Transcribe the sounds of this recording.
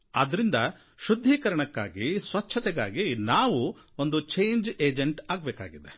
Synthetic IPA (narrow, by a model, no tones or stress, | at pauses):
ɐd̪ɾind̪ɐ | ʃud̪ʱːiːkɐɾɐɳɐkːa̰ːɡisʋɐt͡ʃʰːɐt̪ɛɡa̰ːɡinaːʋu | ond̪ut͡ʃejnd͡ʒeːd͡ʒeɳʈaːɡbɛːka̰ːɡid̪e